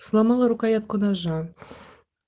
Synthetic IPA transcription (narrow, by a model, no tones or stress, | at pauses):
slˠɑmɑlˠɤɾukɑjɑt̪̚konɑʒɑ